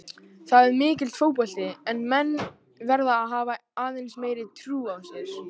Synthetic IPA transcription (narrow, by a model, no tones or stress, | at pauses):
θaðɛɾmɪːcɪlt̪ʰɾoːwpɔl̥t̪ɪɛnmɛnː | vɛɾðaːðɦaːvaaːðejnsmeːjɾɪt̪ʰɾuːawsjɛɾ̥